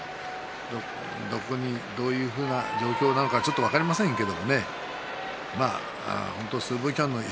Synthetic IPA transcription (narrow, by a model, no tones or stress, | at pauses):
o | d̪o̞ko̞ɲ̟id̪o̞ːjɯ̟ːɸɯ̟ːnad͡ʑo̞ːkʲo̞ːnano̞kat͡ɕo̞t̪ːo̞β̞akaɾʲimasẽ̞ŋke̞d̪o̞mo̞ne̞ | ma̰ | a̰hõ̞nt̪o̞sɨːbɯkʲãnːo̞i